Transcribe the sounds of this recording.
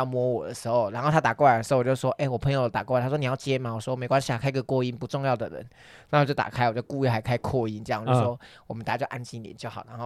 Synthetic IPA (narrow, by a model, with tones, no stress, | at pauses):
ɑ˥˧ʊmwɔ˥wɔ˨˩d̪ə˦ʂɻ̩˧˥xo˥˧ʊɻa˧˥nxo˥ʊt̪ʰa˥t̪a˨˩kɔ˥˩wa˨˩d̪ə˩˧˥t͡ɕjo˥˧˩ʂ̩˥˦˥wɔ˦˥ʔe˥˩ɪwɔ˨˩pʰə˧ŋjʊd̪ə˩t̪a̰˨˩kɔ˥˩a˨˦˩t̪ʰwɔ˥ni˨˩jɑ˥˧ʊt͡ɕɛ˥nma˨wɔ˨˩ʂwɔ˥˧˨me˧˥ɪkwa˥ni˥˧˩a˨˥˩kʰa˥ɪ˧˥ɡə˨kwɔ˥˧i˥npu˧˥ʈ͡ʂʊ˥˧ŋjɑ˥˩ʊd̪ə̰˨ɻə̰˧˦n | na˧˥˧t͡ɕjt̪a̰˨˩kʰa˥ɪwɔ˨˩t͡ɕjo˥˩ʊku˥˧y˥˩xa˧˥ɪkʰa˥ɪkʰɔ˥˧i˧˥nɤ˥˧jɑ˥˧ŋt͡ɕo˥˧˩wɔ˦˥wɔ˨˩mə˦nt̪a˨˩˦t͡ɕo˥˧ʊʔa̰˥nt͡ɕi˥˩nlḭ˨˦t͡ɕjo˥˩ʊxɑ˨˩ʊna˧˥nxo˥˧˩